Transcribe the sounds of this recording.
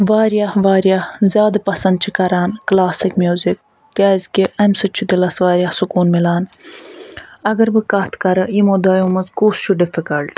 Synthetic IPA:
ʋaːɾjaːhʋaːɾjaːhzjaːd̪ɐpɐsɐnd̪̚t͡ʃʰikɐɾaːnklaːsikmjuːzik̚ː | aːzʲkiʔɐmsɨt͡ʃʰud̪ilɐsʋaːɾʲjaːhsukuːnmilaːn | ɐɡɐɾbɨkɐht̪ʰkɐɾɨjimoːd̪ɐjoːmɐzkuːst͡ʃʰuɖɪfikɐlʈ

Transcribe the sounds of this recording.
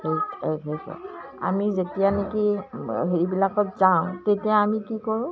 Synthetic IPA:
hejeɦejsɔ̰ | a̰mizetijanekiɦejbilakɔtzaʊ̃tetijaamikikɔɹʊ̃

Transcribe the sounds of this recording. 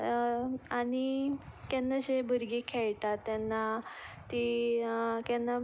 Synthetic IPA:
aɽ̃ik̪janːad͡ʑebəɾɡikʰɛɭʈat̪ːjanːat̪i | kjanːa

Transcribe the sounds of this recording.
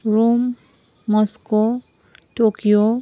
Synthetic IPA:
ɹomː | ɔsko | tokijo

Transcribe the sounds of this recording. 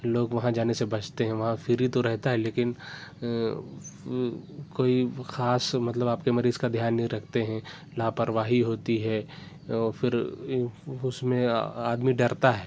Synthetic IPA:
loːɡʋɐɦãd͡ʒaːnesebɐt͡ʃʰt̪eɦɛ̃ʋɐɦãfʰɪɾit̪oɾɛɦt̪aɦɛleːkɪn | koːixaːsmɐt̪ləbaːp̚kemɐɾiːzkad̪ʱjaːnːĩɾɐkʰt̪eɦɛ̃ | laːpəɾʋaːɦiɦoːt̪iɦɛː | ɔːɾfʰɪɾ | ʊsmẽaːd̪miɖɐɾt̪aɦɛː

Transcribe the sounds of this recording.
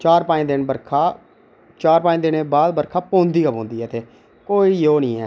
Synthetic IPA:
t͡ʃaːɾpaːĩːd̪ɪnbəɾkʰaː | t͡ʃaːɾpãːẽːd̪ɪneːbaːd̪bəɾkʰaːpõːnd̪iːkaːpõːnd̪iːɛːt̪eː | koːijoːnĩːɛː

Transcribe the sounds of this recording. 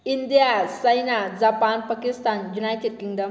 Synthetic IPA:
ind̪ijasəjnad͡zapanpakist̪anjunajʈeɖ̚kiŋɖəm

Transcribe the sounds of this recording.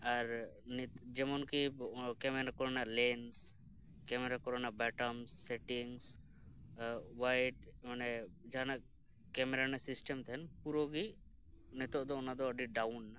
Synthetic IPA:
aɾnd͡ʒɛmɔnkikɛmɛnakɔɾɔnalɛns | kɛmɛɾakɔɾɔnabɛʈɔmsːɛʈiŋs | wajʈmanɛd͡ʒanaʔ | kɛmɛɾanɛsisʈɛmt̪ʰɛnpuɾɔɡi | nɛt̪ɔʔd̪ɔːnad̪ɔəɖiɖawnːa

